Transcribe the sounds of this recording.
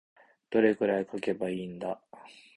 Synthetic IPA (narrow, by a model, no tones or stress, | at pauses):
d̪̥o̞ɾe̞ɡɯ̟ɾaikʰake̞baiːnd̪a